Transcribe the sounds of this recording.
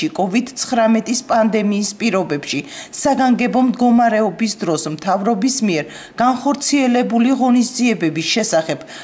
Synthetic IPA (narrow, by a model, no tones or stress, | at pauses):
ikʼɔvid̪t̪sʰχɾamɛt̪ʼispʼand̪ɛmiːspʼiɾɔbɛpʃisaɡaŋɡɛbɔmd̪ɡɔmaɾɛɔbisd̪ɾɔsmt̪ʰavɾɔbismiɛɾ | ɡ̥anχɔɾt̪sʰiɛlɛbuliʁɔnisd̪ziɛbɛbisʃɛsaχɛb̥